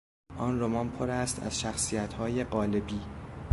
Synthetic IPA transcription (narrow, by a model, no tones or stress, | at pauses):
ʔɒːnromɒːnpʰoɾæst̪ʰæ̰z̥ʃæxsiːjæt̪ʰhɒːjeɢɒːlebiː